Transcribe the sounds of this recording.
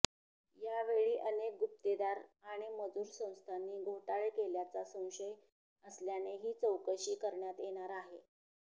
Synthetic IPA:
jaʋeɭiːʔənek̚ɡup̚t̪ed̪aɾaɽ̃iməd͡zuːɾsə̃w̃st̪ʰanːiːɡʱoʈaɭekeljat͡sasə̃w̃ɕəj | əsljaneɦiːt͡səwkəɕiːkəɾɳjat̪jeɽ̃aɾaɦe

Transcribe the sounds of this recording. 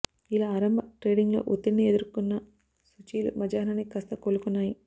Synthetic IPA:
ilaɐɾɐmbɐʈɾeːɖiŋɡlo̰ːʔut̪ːinied̪uɾkunːɐ | sut͡ʃiːlṵmɐd͡ʒaːnanːikɐst̪ɐkoːlukunːaːji

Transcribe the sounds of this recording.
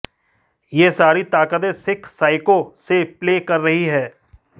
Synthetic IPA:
jeːsaːɾit̪aːkəd̪esɪkʰsaːɪkosepleːkɐɾːɐɦiɦɛː

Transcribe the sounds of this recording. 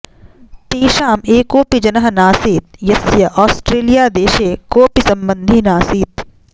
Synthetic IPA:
t̪iːʃaːmeːkoːpid͡ʒɐnɐɦnaːsiːt̪̚jɐsjɐʔɔːsʈɾeːlijaːd̪eːʃeːkoːpisɐmbənd̪ʱinaːsiːt̪̚

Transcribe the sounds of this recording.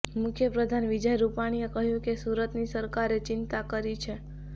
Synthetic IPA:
mʊkʰjəpɾəd̪ʱanʋid͡ʒəjɾupaɽ̃iekəɦjũkesuɾət̪nisəɾkaɾet͡ʃɪnt̪akəɾit͡ʃʰe

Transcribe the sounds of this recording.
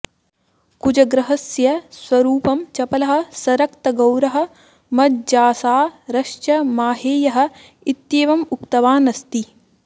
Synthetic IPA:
kud͡ʒɐɡɾɐɦɐsjɐsʋɐɾuːpɐmt͡ʃɐpɐlɐɦɐ̆sɐɾɐk̚t̪ɐɡɐwɾɐɦɐ̆ | mɐd̪̚d͡ʒaːsaːɾɐʃt͡ʃɐmaːɦeːjɐɦɐ̆ | it̪jeːʋɐmuk̚t̪ɐʋaːnɐst̪i

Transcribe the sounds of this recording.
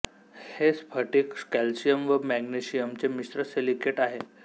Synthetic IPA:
hespʰəʈiːkskælsijəmʋəmæɡniɕijəmt͡semist̪ɾəselikeʈaɦe

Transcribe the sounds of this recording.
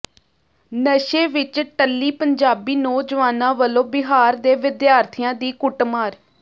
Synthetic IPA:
nəʃeːʋɪt͡ʃʈəlːiːpəɲd͡ʒaːbiːnoːd͡ʒʋaːnãːʋəlõːbɪɦaːɾd̪eːʋɪd̪jaːɾt̪ʰijãːd̪iːkʊʈmaːɾ

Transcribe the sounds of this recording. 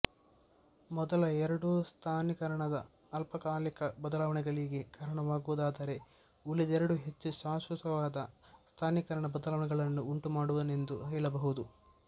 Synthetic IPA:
mɔd̪ɐlɐɛɾɐɽust̪ʰaːnikɐɾɐɳɐd̪ɐː | lpɐkaːlikɐbɐd̪ɐlaːʋɐɳɛɡɐɭiɡekaːɾɐɳɐʋaːɡuʋud̪aːd̪ɐɾe̞ | ulid̪ɛɾɐɽuɦe̞t͡ʃːuʃaːʃʋɐsɐʋaːd̪ɐst̪ʰaːnikɐɾɐɳɐbɐd̪ɐlaːʋɐɳɛɡɐɭɐnːuːɳʈumaːɽuʋɐne̞nd̪uɦɐjɭɐbɐɦud̪u

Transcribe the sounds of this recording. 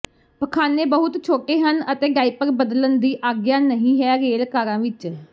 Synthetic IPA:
pəkʰaːneːbəɦʊt̪t͡ʃʰoːʈeːɦənət̪eːɡaːipəɾbəd̪lənd̪iːʔaːɡjãːnəɦĩːɦɛːɾeːlkaːɾãːʋɪt͡ʃ

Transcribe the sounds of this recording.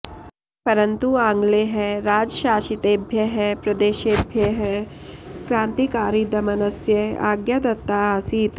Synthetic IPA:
pɐɾɐnt̪uãːŋɡleɦɛɾaːd͡ʒʃaːʃit̪eːbʱjɐɦɛpɾɐd̪eːʃeːbʱjɐɦɛ | kɾãːnt̪ikaːɾid̪ɐmɐnɐsjɐa̰ːɡjad̪ɐt̪ːaːaːsiːt̪

